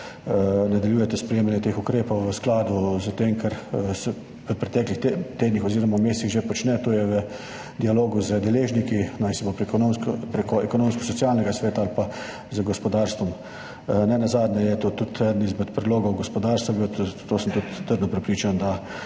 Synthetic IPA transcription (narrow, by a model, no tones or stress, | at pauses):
nad̪aljuːjɛt̪ɛspɾɛjeːmanjɛt̪eːxukɾeːpɔwʋəsklaːd̪uzət̪eŋkʰɛɾsɛ | ʋəpɾɛt̪ɛːklixt̪eːd̪nixɔziːɾɔmawmeːst̪iɣʒepɔt͡ʃnɛt̪oːjɛʋə | d̪ialoːɡuzəd̪ɛleːʒnikinajsɛbopɾompɾekɔɛkɔnoːmskɔsɔt̪sjaːlnɛɡasʋɛːt̪aalpa | zəɡɔspɔd̪aːɾst̪ʋɔm | nɛnazaːd̪nɛjɛt̪ot̪ut̪ʰɛd̪ənizmɛt̪pɾɛd̪loːɡɔwɡɔspɔd̪aːɾst̪ʋabiwt̪t̪ːoːsəmt̪ut̪ːəɾd̪nɔpɾɛpɾiːt͡ʃand̪a